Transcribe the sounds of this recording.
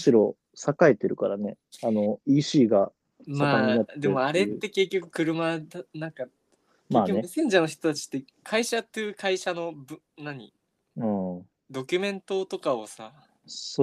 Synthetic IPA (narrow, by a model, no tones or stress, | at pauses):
ɕiɾo̞ | sakaet̪eɾɯ̟kaɾane̞ | ano̞iːɕiːɡa | smaaːaɲiad̪e̞mo̞aɾe̞t̪ːe̞ke̞kʲːo̞kɯ̟̥kɯ̟ɾɯ̟mad̪nãŋka | kmaːkːonesẽ̞ɲd͡ʑanoçi̥t̪o̞t̪at͡ɕi̥t̪ːe̞ | kʰaiɕat̪ːeɯːkʰaiɕano̞bɯ | naɲ̟ḭ | ɯ̃ː | d̪o̞kʲɯ̟mẽ̞nt̪o̞t̪o̞kaosa | so